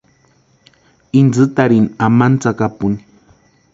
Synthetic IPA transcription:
ind͡zɨt̪aɾinamant͡sakapuni̥

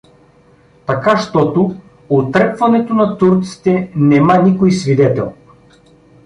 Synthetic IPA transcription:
t̪akaʃt̪ɔt̪o | ot̪ɾɛpvɐnɛt̪onat̪uɾt̪si̥t̪ɛnɛmanikojsvid̪ɛt̪ɛ̰lˠ

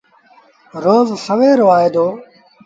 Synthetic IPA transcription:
ɾoːzsəʋeːɾoːaːeːd̪oː

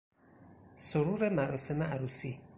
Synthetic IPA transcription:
soɾuːɾemæɾɒːse̞meʔæɾuːsiː

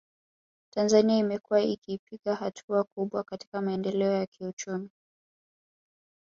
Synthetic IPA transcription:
tanzaniaimɛkuwaikiːpiɠahatʰuakuɓwakati̥kamaɛndɛlɛɔjakʰiut͡ʃumi

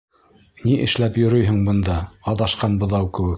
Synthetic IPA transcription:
niʔɘ̆ʃlæpjŏɾɵjɦɘ̆ɴbɤ̆nd̪ɑːðɑʃqɑnbŏðɑwkɘ̆wɘk

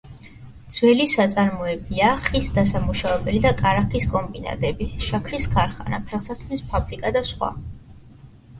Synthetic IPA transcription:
d̪z̥wɛlisat̪sʼaɾmɔɛbiaχisd̪asamuʃavɛbɛlid̪akʼaɾakʰiskʼɔmbina̰t̪ʼɛbiʃakʰɾiskʰaɾχana̰pʰɛʁsat̪ʰmispʰabɾikʼad̪asχwa̰

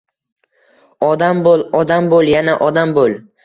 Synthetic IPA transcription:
ɒd̪ambolˠɒd̪ambolˠjanaʔɒd̪ambolˠ

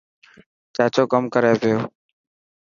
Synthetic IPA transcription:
t͡ʃaːt͡ʃoːkəmkəɾeːpɪjoː

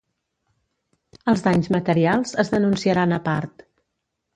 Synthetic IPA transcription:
əlˠzðaɲzmət̪əɾialˠzəzðənunsiəɾanəpaɾt̪

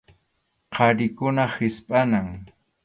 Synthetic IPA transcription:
qʰɑɾɪkʊnahɪspʼanaŋ

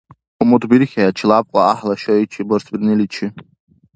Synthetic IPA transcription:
umudbirχʲaat͡ʃʰlap̚ʼkʷʼaaħlaʃoit͡ʃʰiborsbirnɨlit͡ʃʰɪ

